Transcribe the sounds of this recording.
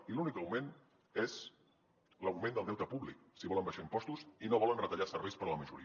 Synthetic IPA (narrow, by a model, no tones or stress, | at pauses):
ilunikəwmen | ez | ləwmẽnd̪əlˠɛwt̪əpuβlik̚siβɔləmbəʃaimpɔst̪usinoβ̞ɔlənrət̪əʎasəɾβejspəɾələməʒṵɾi